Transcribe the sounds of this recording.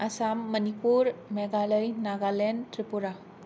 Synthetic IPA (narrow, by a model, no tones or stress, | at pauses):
ɐsamːɐnipuɾmeɡaləjnaɡalentɾipuɾa